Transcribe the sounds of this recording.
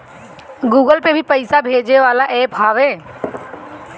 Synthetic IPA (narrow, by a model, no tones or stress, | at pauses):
ɡuːɡəlpebʱipəɪsabʱeːd͡ʒeʋaːlaʔeːpɦaːʋẽː